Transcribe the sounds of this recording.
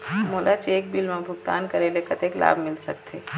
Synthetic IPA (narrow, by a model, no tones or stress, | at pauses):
moːlat͡ʃeːk̚bilmãbʱʊɡt̪a̰ːnkɐɾeːlekɐt̪eːkla̰ːbʱmɪlsɐ̰k̚t̪ʰeː